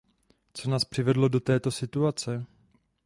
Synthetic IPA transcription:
t͡so̞naːspr̥ɪvɛdlo̞do̞t̪ɛːt̪o̞sɪt̪uat͡sɛ

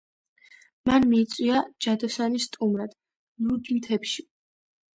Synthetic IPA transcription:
manmiːt̪sʼwiad͡ʒad̪ɔsanisːt̪ʼumɾad̪̥ | lud̪imt̪ʰɛpʃi

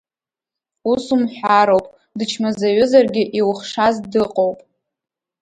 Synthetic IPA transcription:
usumħʷᶣaɾowpʼ | dɨt͡ʃʰmazaɥʏzarɡʲɪʔiwχʂazdɨqʼowpʼ

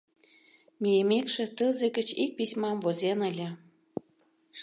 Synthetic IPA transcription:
mʲijemekʃĕt̪əzĕɡə̆t͡ɕik̚pisʲmɑmvozʲenə̆lʲĕ

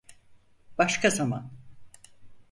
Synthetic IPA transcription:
baʃkʰazama̰n

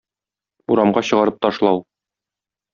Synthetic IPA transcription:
uɾɑmɢɑɕɤ̆ʁɑɾɤp̚t̪ɒʃlˠɑw

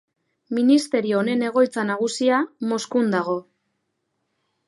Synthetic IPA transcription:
minist̪e̞ɾio̞ːne̞ne̞ɣ̞o̞jt͡sanaɣusiamo̞skund̪aɣ̞o̞

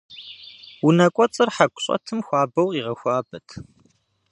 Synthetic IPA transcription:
wunɐkʷʼɔt͡sʼɨrħaɡʷʊ̥ɕʼɐ̰tʰɨmxʷɑːbɐwiʁɐxʷɑːbɐtʰ

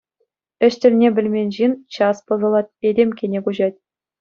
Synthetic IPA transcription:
ɘ̆ɕt̪ʲɘ̆lʲnʲebʲɘ̆lʲmʲenʲʑint͡ɕɑspɤ̆zɤ̆lˠɑt̪̚edʲemʲkʲenʲekuʑɑtʲ

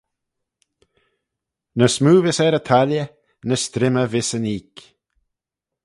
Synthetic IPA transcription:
nəsmuːvɪsɛɾət̪ʰaljə | nəst̪ɾɪməvɪsəniːk

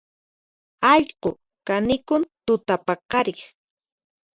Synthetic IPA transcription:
ɑʎqo | kanɪkʊnt̪ʊt̪apɑqɑɾɪχ

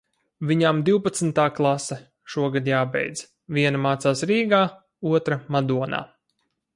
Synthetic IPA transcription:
viɲamd̪iwpat̪snt̪aːklˠasɛ | ʃuɔɡad̪jaːbɛ̰jd̪z | vʲiɛnamaːt̪saːsɾiːɡaː | uɔt̪ɾamad̪uɔna̰ː

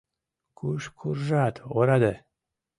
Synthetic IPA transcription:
kuʃkʰurʒat̪ʰoɾad̪ə

